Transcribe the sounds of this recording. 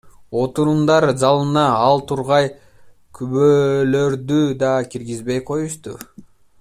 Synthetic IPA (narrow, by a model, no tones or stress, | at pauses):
o̞t̪uɾumd̪ɑɾzɑlˠɯnɑɑlˠt̪ʰuɾʁɑj | kʰyβøːlø̞ɾd̪yd̪ɑkiɾɡizbejqʰo̞juʃt̪ṵ